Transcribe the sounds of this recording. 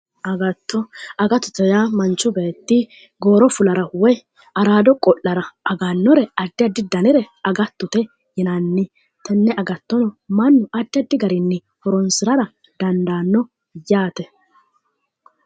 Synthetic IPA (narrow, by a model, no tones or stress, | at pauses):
ʔɐɡɐt̪ːɔɐɡɐt̪ːʊt̪ɛjamɐnt͡ʃːʊbɛt̪ːɪ | ɡo̞ːɾɔfʊlɐɾɐwɔj | ɐɾaːd̪ɔkʼɔʔːɐɾɐɐɡanːɔɾɛɐd̪ːɪjɐd̪ːɪd̪ɐnɪɾɛɐɡɐt̪ːʊt̪ɛ | jɛnɐnːɪ | t̪ɛnːɛɐɡɐt̪ːɔnɔmɐnːʊɐd̪ːɪɐd̪ːɪɡɐɾɪnːɪ | hɔɾɔnsɪɾɐɾɐ | d̪̥ɐnd̪aːnːɔ | jaːt̪ɛ